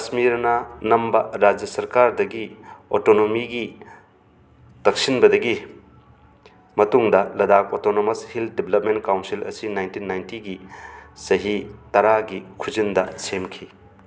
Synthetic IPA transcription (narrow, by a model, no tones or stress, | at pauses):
kɐsmiɾnɐnɐmbɐɾad͡ʒjɐsɐɾkaɾdɐɡiotonomiɡi | tɐk̚sinbɐdɐɡi | mɐtuŋdɐlɐdak̚otonomɐshildiblɐp̚ment̚kawnsilɐ̰sinajntinːajntiɡisɐɦitɐɾaɡikʰuzindɐsemkʰi